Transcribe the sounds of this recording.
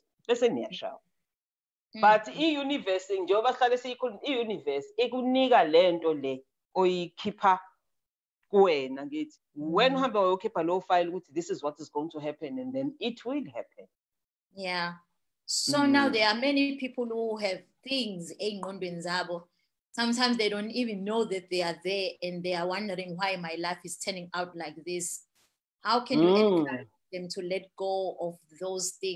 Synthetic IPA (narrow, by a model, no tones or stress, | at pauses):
ɓɛsɛnɛtʰa̰l | batʰijunivɛsind͡ʒʱɛɔɓaɬalisijikʰɔijunivɛsik̬unik̬alɛntʼɔlɛ | ojikʰipʰa | k̬wɛnaitʰi̥wɛnhambʱɛwajokʰipʰaloufajɛluk̬utʰiðisizwɔtʰizɡoiŋtʰuɦɛpʰɛnɛ̃ndɛnitʰwilhɛpʰɛn | ja | sonawðɛamɛnipʰipʰɔlhuɦɛvθĩŋzeŋ͡ǃɔ̃ndĩnzaɓɔ | sãmtʰãj̃mzðejdõntivĩnːoðɛt̚ðeaðɛɛ̃ndðeawãndəɹĩŋwajmajlajfiz̥tʰɛnĩŋawtʰlajk̚ðis | hawkʰɛ̃jaɔðɛ̃mtʰulɛt̚ɡ̥oɔf | ðozθĩŋ